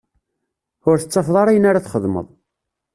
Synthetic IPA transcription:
ʊɾθət͡sˤːɑfðˤɑɾˤæjənːaɾaθχəðˤmə̰ðˤ

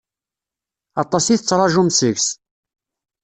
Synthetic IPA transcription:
ɑt̪ˤɑsiθət͡sːɾˤɑʒumsəʝs

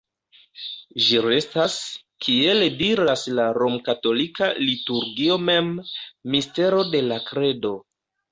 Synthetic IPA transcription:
ʒiɾe̞stas | kʰie̞lediɾaslaɾo̞mkato̞likalituɾɡio̞me̞mːiste̞ɾo̞de̞lakɾe̞do̞

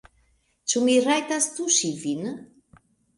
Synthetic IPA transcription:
t͡ʃumirajt̪ast̪uʃivin

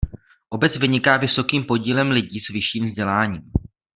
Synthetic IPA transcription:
ʔo̞bɛt͡svɪɲɪkaːvɪso̞kiːmpo̞ɟiːlɛmlɪɟiːsvɪʃiːmvzɟɛlaːɲiːm

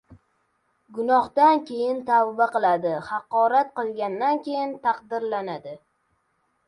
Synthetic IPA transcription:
ɡʊnɒχt̪ankʲʰe̞jɪnt̪ʰavvaqɨlˠad̪ɪhɑqɒɾat̪̚qɨlˠɡʲand̪ankʲʰe̞jɪnt̪ʰɑqd̪ɪɾlanad̪ɪ

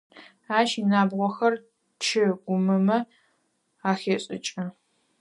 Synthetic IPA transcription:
aːʃinaːbʁʷɔxɐr | t͡ʃʰɪɡʷʊmɨmɐ | aːxeːɕʼɪ̰t͡ʃʼɐ

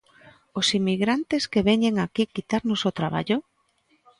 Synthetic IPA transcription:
osimiɣɾant̪eskeβeɲeŋakikit̪aɾnosot̪ɾaβ̞a̰ʎo

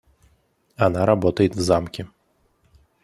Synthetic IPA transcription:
anaɾabɔt̪ɐjɛt̪ʲvzamkʲi

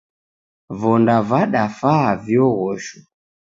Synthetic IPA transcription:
vɔndavaɗafavjɔɣɔʃu

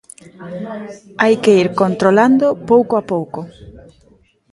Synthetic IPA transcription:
ajkeiɾkont̪ɾoland̪opowkoapowko

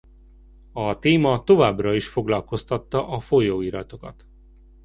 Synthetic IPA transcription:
ɒt̪eːmɒt̪o̞vaːbrɒiʃfo̞ɡlɒlko̞st̪ɒt̪ːɒʔɒfo̞joːiɾɒt̪o̞kɒt̪

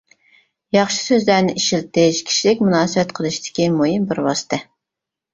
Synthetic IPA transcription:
jɑχʃɨ̥søzlæɾnɪʔiʃilt̪ɪʃkʲʰi̥ʃilɪk̚ʲmunɑːsɨbɛt̪qʰəlˠɨʃid̪ɪ̥kʲimujimbɪɾwɑsɨ̥t̪ʰɛ

